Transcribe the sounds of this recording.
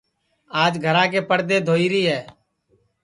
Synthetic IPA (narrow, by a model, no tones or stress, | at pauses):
aːd͡ʒɡʱəɾãːk̬eːpəɽd̪eːd̪ʱoːiːɾiːɦɛː